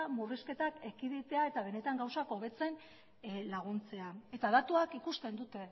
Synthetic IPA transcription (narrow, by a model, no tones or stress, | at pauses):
muriske̞t̪ake̞kiðit̪e̞ae̞t̪aβ̞e̞ne̞t̪aŋɡawsako̞β̞e̞t͡se̞n | laɣ̞unt͡se̞ae̞t̪aðat̪uakikust̪e̞nd̪ut̪e̞